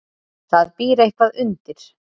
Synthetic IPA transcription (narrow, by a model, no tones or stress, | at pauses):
θaðpiːɾehkvaðʏnt̪ɪɾ̥